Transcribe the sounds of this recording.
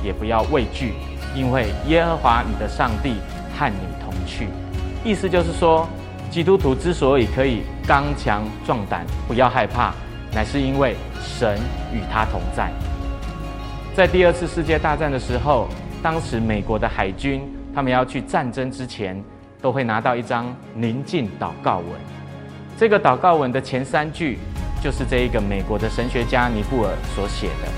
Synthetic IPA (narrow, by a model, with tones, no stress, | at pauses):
jɛ˨˩pu˨˦jɑ˥˧ʊwe˥˧ɪt͡ɕy˥˩ | i˥nwe˥˩ɪjɛ˦˥xɤ˧˥xwa˧˥ni˨˩d̪ə˦ʂɑ˥˧ŋt̪i˥˨ | xa˥˩nnḭ˨˩t̪ʰʊ˧˥ŋt͡ɕʰy̰˥˩ | i˥˩sɹ̩˧t͡ɕjo˥˧ʊʂ̬̩˥˩ʂwɔ˥ | t͡ɕi˥t̪u˥t̪ʰu˧˦ʈ͡ʂɻ̩˦˥swɔ˧˥i˨˩kʰɤ˨˦i˨˩ | kɑ˦ŋt͡ɕʰjɑ˧˦ŋʈ͡ʂwɑ˥˩ŋt̪a̰˨˩npu˧˦jɑ˥˧ʊxa˥˧ɪpʰa̰˥˩ | na˨˩ɪʂɻ̩˥˩i˦˥nwe˥˩ɪ | ʂə˨˦ny˨˩t̪ʰa˦t̪ʰʊ˧˥ŋt͡sa̰˥˩ɪ | t͡sa˥˧ɪt̪i˥˧ə˥˧t͡s̩ʰ˥˧ʂɻ̩˥˧t͡ɕjɛ˥˧t̪a˥˧t͡sa˥˩nd̪ə˩ʂɻ̩˧˥xo˥˩ʊt̪ɑ˥ŋʂɻ̩˧˥me˨˩ɪkwɔ˧˥˦d̪ə˧xa˨˩ɪt͡ɕy˦nt̪ʰa˥mə˨njɑ˥˧ʊt͡ɕʰy˥˩ʈ͡ʂa˥˨nʈ͡ʂə˥ŋʈ͡ʂɻ̩˦t͡ɕʰjɛ˧˦n | t̪o˥ʊxwe˥˩ɪna˧˥t̪ɑ˥˧ʊi˥˩ʈ͡ʂɑ˥ŋ | li˨˦˥nt͡ɕi˥˩nt̪ɑ˨˩ʊkɑ˥˩ʊwə̰˧˦n | ʈ͡ʂɤ˥˩ɡə˨˩t̪ɑ˨˩ʊkɑ˥˩ʊwə˧˦nd̪ə˨t͡ɕʰjɛ˧˥nsa˦nt͡ɕy˥˨t͡ɕjo˥˧ʊʂɻ̩˥˧ʈ͡ʂɤ˥˧i˧˥ɡə˨me˨˩ɪkwɔ˧˥d̪ə˧ʂə˧˦nɕɥɛ˧t͡ɕja˥˦ni˧˥pu˥˩ə̰˞˨˩swɔ˨˦ɕjɛ̰˨˩d̪ə̰˦